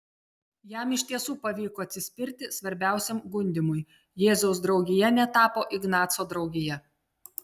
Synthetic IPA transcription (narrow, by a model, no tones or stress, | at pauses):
jæˑmɪʃʲt̪ʲiɛsuːpɐʋʲiːkɔɐt̪ʲsʲɪsʲpʲɪɾʲt̪ʲɪsʋɐɾʲbʲæˑʊsʲɛmɡʊnʲd̪ʲɪmʊj | jeːzʲɐʊs̬d̪ɾɒʊɡʲɪjɛnʲɛt̪ɑːpoːʔɪɡnɑːt̪soːd̪ɾɒʊɡʲɪjɛ